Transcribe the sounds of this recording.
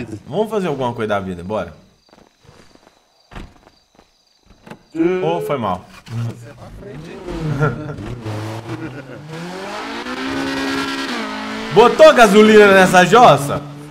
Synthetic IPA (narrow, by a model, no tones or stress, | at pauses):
vɐ̃mʊfazeɾawɡũmɐkojzaviɐd̪ɪ̃bɔɾɐ | ofojma̰w | bot̪oaɡazulĩnɐnɛs̬ɐʒɔsɐ̰